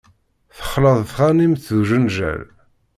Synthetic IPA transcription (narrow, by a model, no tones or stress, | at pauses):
θə̥χːləðˤθχanimθðuʒənʒæ̰l